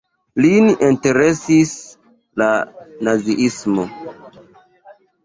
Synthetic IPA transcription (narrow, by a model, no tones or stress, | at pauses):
lininte̞ɾe̞sis | lanaziʔismo